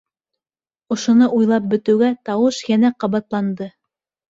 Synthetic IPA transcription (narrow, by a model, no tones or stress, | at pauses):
ŏʃŏnɤʔujlˠɑp̚bɵ̆t̪ɘ̆wɡæt̪ɑwɤʃjænæqɑβɑt̪lˠɑnd̪ɤ